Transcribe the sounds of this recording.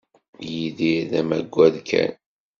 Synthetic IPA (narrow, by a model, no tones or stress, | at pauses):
jiðiðæmæɡʷːæðkʰæ̰n